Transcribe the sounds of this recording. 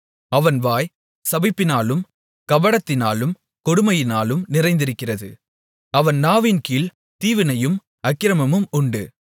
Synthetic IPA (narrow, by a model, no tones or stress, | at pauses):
ɐʋɐnʋaːj | sɐbɪpːɪnaːlɯm | kɐʋɐɽɐt̪ːɪnaːlɯm | kɔɽɯmɐjɪnaːlɯmnɪrɐɪnd̪ɪɾɯkːɪrɐðɯ | ɐʋɐnnaːʋiːnkiːl | t̪iːʋɪnɐjɯm | ɐkːɪɾɐmɐmɯmʊɳɖɯ